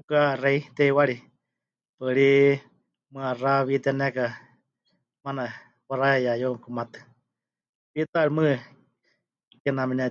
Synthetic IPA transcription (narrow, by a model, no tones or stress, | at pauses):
ukareit̪ɛiwaɺi | pɨɺi | mɨaraβit̪ɛnɛka | mana | waɾaɛjajomkumat̪ɨ̥ | pit̪aɺimɨ | kɛnamɛna